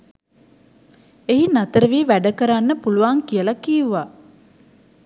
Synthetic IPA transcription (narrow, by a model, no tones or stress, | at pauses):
eɦinat̪əɾəʋiːʋæɖəkəɾanːəpuluʋaːŋkijəlɐkiːuʋaː